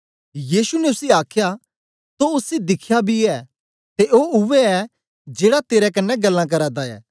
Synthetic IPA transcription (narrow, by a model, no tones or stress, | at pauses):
jiːsunɛʊsiaːkʰja | t̪oʊsid̪ɪkʰjabʱiɛː | t̪eʔoːʊʋɛɛ | d͡ʒeːɽat̪eːɾɛkɐnːɛɡɐlːãk̬ɐɾaːd̪aɛ̰ː